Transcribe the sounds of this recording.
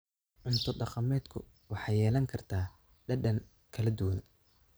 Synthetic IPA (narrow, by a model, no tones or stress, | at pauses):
ʕʊnt̪ʰʊɖɑqɑmɛːd̪kʰʊ̰ | wɑħɑjːɛːlɐŋkʰɐrt̪ʰaː | ɖɐɖɐŋ | kʰɐlɐd̪ʊwɐn